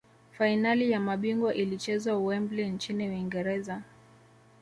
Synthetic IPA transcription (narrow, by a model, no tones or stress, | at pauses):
fainalijamaɓiŋɡwɔʔilit͡ʃɛzwauwɛmblɛnt͡ʃiniwiŋɡɛɾɛza